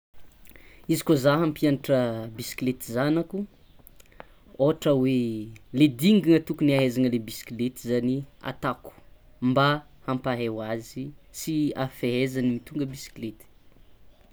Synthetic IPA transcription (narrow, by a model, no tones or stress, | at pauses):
izi̥kozaɦampianaʈ͡ʂəbisi̥klet̪izanaku | oʈ͡ʂəweled̪iŋɡiŋət̪ukuniaɦezanəlebisi̥kilet̪izania̰t̪aku̥ | mba | hampaɦewazisiafeɦezanimit̪uŋɡəbisi̥klet̪i̥